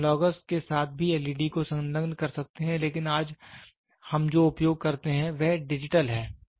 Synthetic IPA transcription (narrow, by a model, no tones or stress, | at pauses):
lɔːɡəsʈkesaːt̪̚ʰbʱiɛliːɖikosɐ̃ŋlə̃ŋɡnkɐɾsɐk̚t̪eɦɛ̃leːkɪnaːd͡ʒ | hɐmd͡ʒoːʊpjoːɡ̚kɐɾt̪eɦɛ̃ʋɛɦɖɪd͡ʒɪʈəlɦɛː